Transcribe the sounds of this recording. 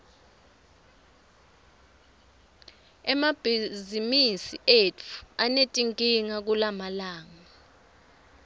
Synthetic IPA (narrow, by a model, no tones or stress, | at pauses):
ɛmab̥ʱizimisiʔetʰu̥anetʼiŋkʼiŋak̬ulamalaːŋa